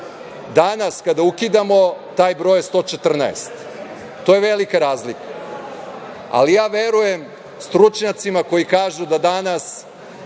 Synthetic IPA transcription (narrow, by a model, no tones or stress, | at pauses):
d̪anaskad̪aukid̪amo̞t̪aːjbɾo̞ːjst̪o̞ːt͡ʃet̪r̩na̰ḛst̪ː | oːjeʋe̞likaɾaːzlika | a̰lijaːʋe̞ɾujem | st̪ɾut͡ʃɲat̪simako̞jikaːʒud̪ad̪anas